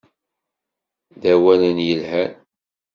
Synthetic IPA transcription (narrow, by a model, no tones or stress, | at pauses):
ðæwælənjəlhæn